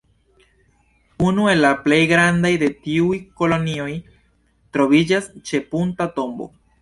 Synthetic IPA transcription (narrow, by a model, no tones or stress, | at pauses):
unue̞lːaple̞jɡɾandajde̞tiujko̞lo̞nio̞j | tɾo̞vid͡ʒast͡ʃe̞puntato̞mbo̰